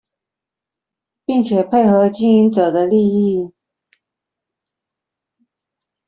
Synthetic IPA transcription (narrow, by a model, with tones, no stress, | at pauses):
pi˥˩ŋt͡ɕʰjɛ˨˩pʰe˥˩ɪxɤ˧˥t͡ɕi˥ŋi˧˥nʈ͡ʂɤ˨˩d̪ə˦li˥˧i˥˩